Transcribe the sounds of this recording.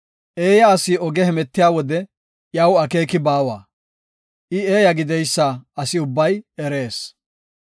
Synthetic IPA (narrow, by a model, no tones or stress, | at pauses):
ʔeːjɐːsɪɔɡɛhɛmɛt̪ːɪjaːwɔd̪ɛ | jɐwɐke̞ːkɪbaːwa̰ː | ʔɪeːjɐɡɪd̪ɛjsːaːɐsɪʊbːɐjɛɾe̞ːs